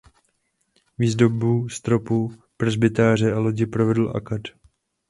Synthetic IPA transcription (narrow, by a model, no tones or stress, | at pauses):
viːzdo̞buːst̪ɾo̞pupr̩zbɪt̪aːr̝ɛalo̞ɟɪpɾovɛdl̩ʔa̰kat̪